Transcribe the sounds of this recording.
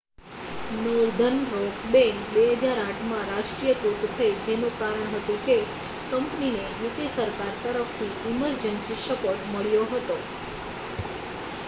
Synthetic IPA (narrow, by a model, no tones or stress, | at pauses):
nuɾd̪ʱənɾokbenbeɦəd͡ʒaɾãʈʰmãɾaʃʈɾijəput̪t̪ʰəed͡ʒenũkaɾəɳ̃ɦət̪ũke | kəmpnineʋik̪esəɾkaɾt̪əɾəfnʰiiməɾd͡ʒənsiʃəpoʈməɭjoɦət̪o